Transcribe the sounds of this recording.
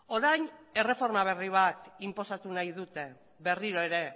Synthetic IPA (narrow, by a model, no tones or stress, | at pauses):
o̞ɾajɲe̞re̞fo̞ɾmaβ̞e̞riβ̞at̪impo̞sat̪unajðut̪e̞ | βe̞riɾo̞e̞ɾe̞